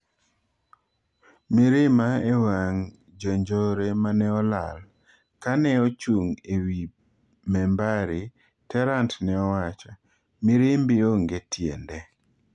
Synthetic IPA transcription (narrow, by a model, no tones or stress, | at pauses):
mɪɾɪmaewaŋ | d͡ʒɔɲd͡ʒɔɾemanɛɔla̰l | kanɛɔt͡ʃuŋewi | mɛmbaɾɪ | tɛɾantnɛɔwat͡ʃa | mɪɾɪmbɪoŋɡetjḛndɛ